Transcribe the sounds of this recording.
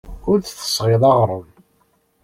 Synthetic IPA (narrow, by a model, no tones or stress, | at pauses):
ʊɾθθə̥sʁeðˤɑʁɾˤəm